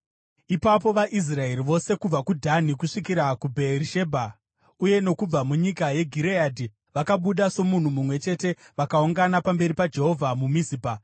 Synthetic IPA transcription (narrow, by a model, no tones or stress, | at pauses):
ipap̬o̞ʋaʔis̬rae̞ɾiʋo̞se̞kub͡vakudʱanikuʂikiɾakubʱe̞riʃe̞bʱa | uje̞no̞kub͡vamuɲikaje̞ɡʱiɾeadʱi | ʋakaɓuɗaso̞mun̤umumwe̞t͡ʃe̞te̞ | ʋakauŋɡanapambe̞ɾipad͡ʒe̞ɦo̞vʱamumisiːbʱa